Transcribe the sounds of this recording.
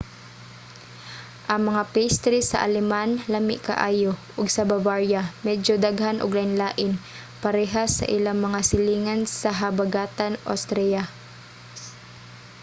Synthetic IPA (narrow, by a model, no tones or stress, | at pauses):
ʔɐŋmɐŋapɛst̪ɾisɐ̰ʔa̰lɛmanlamɪ̰ʔka̰ʔaːjoʔʊɡsɐbavaɹjamɛd͡ʒod̪aɡɦanʔʊ̰ɡlaɪnlaːʔɪn | pɐɾɛɦasɐ̰ʔɪlaŋmɐŋasɪliːŋansɐɦɐbaɡaːt̪anʔo̰st̪ɾɛja